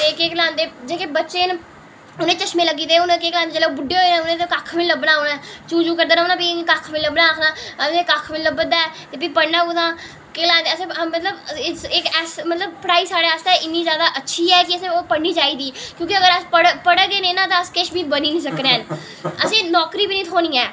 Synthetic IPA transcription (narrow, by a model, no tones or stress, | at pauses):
ekeklãːnd̪eːd͡ʒeːkeːbətːʃeːn | ʊnẽːt͡ʃəʃmẽːləɡiːd̪eːʊnːkeːklaːnd̪ed͡ʒeːleobʊɖeːɦoenẽːʊnẽːt̪ekakʰmɪləbənaːonaːt͡ʃuːd͡ʒuːkəɾd̪eːnoːnaːpiːkakʰmɪləbnaːkʰnaːəekakʰmələbəd̪aːɛːt̪eːpiːpəɽnãːʊd̪ãː | keːlãːnd̪eəsẽmət̪ləbsɪkɛsmət̪ləbpəɽaːiːsaːɽeːaːst̪eːɪnːiːzjaːd̪aːʔətːʃʰiːɛːkɪəsẽːoːpəɽniːd͡ʒaːiːd̪iːkjõːkɪəɡəɾəspəɽpəɽeɡeːnẽːnãːt̪ãːəskeːʃbiːbəniːnĩːsəkɾẽːn | əsẽːnɔːkɾiːbinĩːt̪ʰoːnĩːɛː